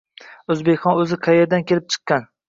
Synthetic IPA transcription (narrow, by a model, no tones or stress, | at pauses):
ɵzbe̞kʲχɒnɵzɪqʰɑjeɾd̪ankʲʰe̞lɪp̚t͡ʃʰɨ̥qːɑn